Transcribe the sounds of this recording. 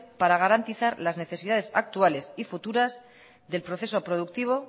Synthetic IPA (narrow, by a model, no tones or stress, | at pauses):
paɾaɣ̞aɾant̪iθaɾlazne̞θe̞siðað̞e̞sak̚t̪uale̞sifut̪uɾaz | ðe̞lpɾo̞θe̞so̞pɾo̞ð̞uk̚t̪iβ̞o̞